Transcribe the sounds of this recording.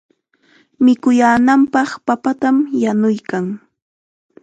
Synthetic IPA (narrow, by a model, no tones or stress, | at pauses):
mɪkʊjaːnampɑχpapat̪amjanʊjkaŋ